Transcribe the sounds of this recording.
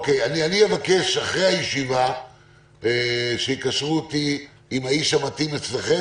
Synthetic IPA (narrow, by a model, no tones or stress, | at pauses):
okejanianievake̞ʃaχʁejhajeʃiva | eʃeikaʃʁuoti | imaiʃhamatimet͡sleχe